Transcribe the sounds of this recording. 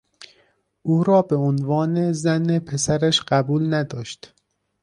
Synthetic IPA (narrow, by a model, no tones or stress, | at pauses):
ʔuːɾɒːbe̞onvɒːnezænepʰe̞sæɾæʃɢ̥æbuːlnæd̪ɒːʃt̪